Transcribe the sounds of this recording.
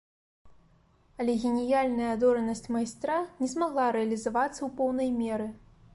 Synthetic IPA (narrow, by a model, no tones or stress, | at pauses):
ɐlʲɛɣʲɛnʲijalʲnɐjɐd̪ɔɾɐnɐsʲt͡sʲmajst̪ɾanʲɛzmaɣlˠaɾɛɐlʲizavat̪sːɐwpɔwnɐjmʲɛɾɨ